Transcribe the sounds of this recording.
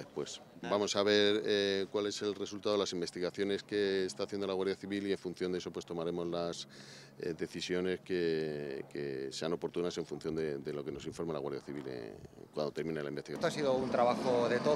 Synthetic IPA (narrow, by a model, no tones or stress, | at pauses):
epwe̞s | bamo̞saβ̞e̞ɾkwale̞se̞lre̞sult̪aðo̞lasimbe̞st̪iɣaθjo̞ne̞ske̞ːst̪aːθje̞nd̪o̞laɣwaɾðjaθiβilie̞ɱfunθjond̪eeso̞pwe̞st̪o̞maɾe̞mo̞zlas | d̪e̞θisjo̞ne̞ske̞kḛse̞ano̞po̞ɾt̪unase̞ɱfun̟θjo̞nd̪e̞d̪e̞lo̞ke̞no̞siɱfo̞ɾmalaɣwa̰ɾðja̰θiβilḛkwand̪o̞t̪eɾmĩnelaimbet̪iɣat̪oasiðount̪ɾaβaxoðet̪o